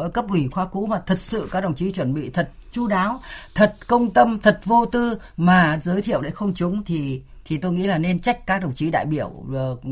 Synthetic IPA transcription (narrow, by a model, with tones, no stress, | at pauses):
ə˨˦jkə˦˥p̚ʔwi˧˩xwaː˧kṵ˧˥maː˨˩t̪ʰə˨˩t̚sɨ̰˧˨kaː˦˥k̚ɗə˨˩wŋ͡mt͡ɕi˨˦t͡ɕwə˧˩nɓḭ˧˨t̪ʰə˨˩t̚t͡ɕu˧˦ɗaː˨˦wt̪ʰə˨˩t̚kə˧wŋ͡mt̪ə˧mt̪ʰə˨˩t̚vo˧t̪ɨ˧ | maː˨˩zəː˨˦jt̪ʰḭ˧˨əwɗḛ˧˥˩xə˧wŋ͡mt͡ɕʊ˨˦ŋ͡mt̪ʰi˨˩ | t̪ʰi˨˩t̪o˧jŋḭ˧˥laː˨˩ne˧nt͡ɕa˦˥jk̟̚kːaː˦˥k̚ɗə˨˩wŋ͡mt͡ɕi˨˦ɗa̰ː˧˨jɓi˧˩əw